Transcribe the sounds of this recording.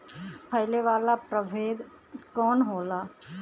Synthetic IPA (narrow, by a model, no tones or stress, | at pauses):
pʰəɪleʋaːlapɾəʋeːd̪ | kɔːnɦoːlaː